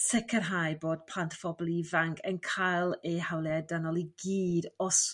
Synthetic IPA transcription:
sɛkʰərɦajboːd̥̚pʰl̥antʰfɔblivaŋkʰənkʰajlˠɛhawlˠɛdanɔlˠiɡiːdɔs

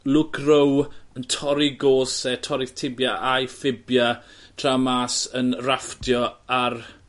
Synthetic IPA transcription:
lʊɡrəwəntʰɔɾiɡoːsɛtʰɔɾɪθtʰɪbjaʔajfɪbjatʰramaːsənraftjɔar

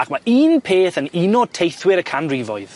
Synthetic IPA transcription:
akʰmaiːnpʰeːθənɪnɔd̚tʰejθwɪɾəkʰanrɪvɔ̰ɨð̥

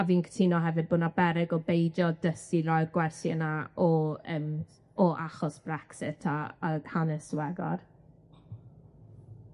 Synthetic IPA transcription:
aviːnkʰə̥tʰinɔɦɛvɨd̚bʊnabɛɾɪɡɔbejdjɔdəsiɾɔjrɡwɛrθjənaɔəːm | ɔʔaχɔsb̥rɛksɪtʰaːhanɛswɛɡɔ̰r

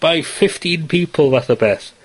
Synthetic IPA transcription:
b̥ajfɪftinpʰiːpʰəl̩ˠvaθəbɛːθ

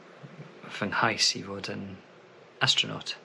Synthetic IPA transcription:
v̥əŋhajsḭvɔdən | astɹ̥ənɔ̰ˑt

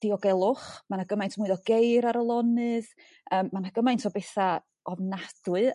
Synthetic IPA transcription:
d̥iɔɡɛlˠʊχmanaɡəmajntʰmʊɨðɔɡejɾaɾəlˠɔnɨð | əːmːanaɡəmajntʰɔbɛθa | ʔɔvnad̥wɨ

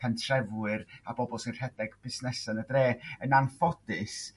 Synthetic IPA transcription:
ɛntʰrɛvwɨɾabɔbɔlˠsinr̥ɛdɛɡb̥ɪsnɛsənədreːənanfɔdɨs

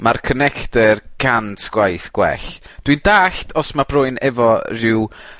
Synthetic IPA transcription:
markʰənɛktɛrɡ̥antʰɡ̥wajθɡ̥wɛ̰ɬd̥windaːɬtʰɔsmabrʊɨnɛvɔrɪw

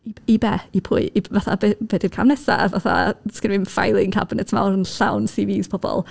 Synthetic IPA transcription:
iibɛipʰʊɨivaθa̰bɛb̥ɛːdɪrkʰamnɛsa̰vaθa̰skɪnvɪnfa̰jlˠɪŋkʰa̰bnɛtʰma̰ɾənɬawnsiviːz̥pʰɔb̥ɔ̰lˠ

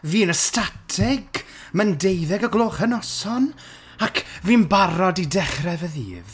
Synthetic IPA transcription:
viːnəstatʰɛɡ | məndejðɛɡəɡlˠoːχənɔsɔn | akʰviːnbaɾɔdidɛχrɛvəðḭːv

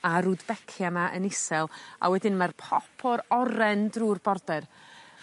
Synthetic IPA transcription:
aɾuːdbɛkʰjamaʔənɪsɛlˠa̰wɛdɪnmarpʰɔpʰɔɾɔɾɛndruːrb̥ɔrdɛr

